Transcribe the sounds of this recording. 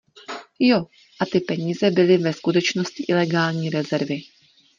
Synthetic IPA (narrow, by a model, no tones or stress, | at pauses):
jo̞ | ʔat̪ɪpɛɲiːzɛbɪlɪvɛskut̪ɛt͡ʃno̞scɪʔɪlɛɡaːlɲiːɾɛzɛɾvɪ